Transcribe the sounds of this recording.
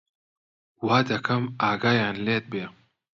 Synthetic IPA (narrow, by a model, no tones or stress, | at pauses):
waːd̪ɐkʰɐmaːɡaːjaːnleːt̪̚beː